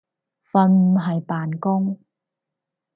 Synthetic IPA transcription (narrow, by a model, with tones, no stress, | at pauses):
fɐ˧nm̩˨˩ɦɐ˨jpaː˨˩nkʊ˥ŋ